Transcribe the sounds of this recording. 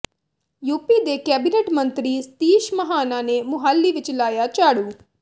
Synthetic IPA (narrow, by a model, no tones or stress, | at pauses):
juːpiːd̪ekɛːbineʈmɐ̃nt̪ɾiːst̪iːʃməɦaːnaːnemʊɦaːlːiʋɪt͡ʃlaːjat͡ʃaːɽuː